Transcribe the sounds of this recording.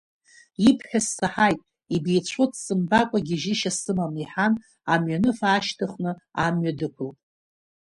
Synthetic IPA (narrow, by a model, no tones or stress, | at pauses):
ipʰħʲasːaħajtʼ | ibejt͡ɕʷʰotʰʼsɨmbakʷʼaɡʲiʒɪʃasɨmamiħan | amɥanɨfaːʃtʰɨχnɨamɥadɨpʷʰɨlʼ